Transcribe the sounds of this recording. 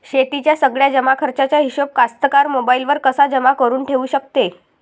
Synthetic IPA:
ɕet̪it͡ɕjasəɡɭjad͡ʑəmakʰəɾt͡ɕat͡ɕjaɦiɕop̚kast̪əkaɾmobailʋəɾkəsad͡ʑəmakəɾuːnʈʰeʋuːɕək̚t̪e

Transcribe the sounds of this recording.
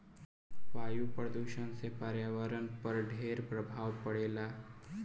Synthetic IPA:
ʋaːjupɾəd̪uːʃənsepaɾjaːʋəɾənpəɾɖʱeːɾpɾəbʱaːʋpəɽeːlaː

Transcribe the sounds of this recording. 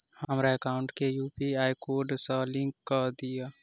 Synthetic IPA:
həmɾaekaːʊ̃ɳʈkejuːpiaːjkoːɖsalɪ̃ŋkːad̪ija

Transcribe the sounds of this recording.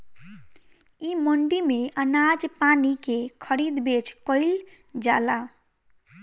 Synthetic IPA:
iməɳɖimeʔənad͡ʒpanikekʰəɾid̪bet͡ʃʰkəɪl | d͡ʒala

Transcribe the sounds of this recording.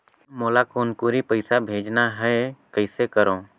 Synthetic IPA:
molakonkuɾipəjsabʱed͡ʒnaɦɛkəjsekəɾõ

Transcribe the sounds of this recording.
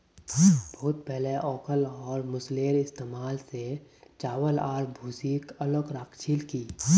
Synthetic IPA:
b̥ɔːt̪̚pɛɦleʔɔːkəlɔːɾmʊsleːɾɪst̪eːmaːlset͡ʃaːwəlaːɾbʱuːsiːkələkɾaːkʰt͡ʃʰilkiː

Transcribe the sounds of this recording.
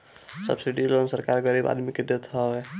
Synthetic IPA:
sə̰bsiɖilonsəɾkaɾɡəɾiba̰d̪miked̪et̪ɦəbɛ

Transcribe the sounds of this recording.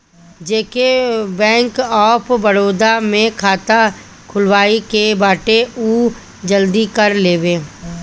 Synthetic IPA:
d͡ʒeːkebɛ̃ːŋkɔːpbəɽoːd̪amẽkʰaːt̪a | kʰʊlwaːikebaːʈeuː | d͡ʒəld̪ikəɾleːʋeː

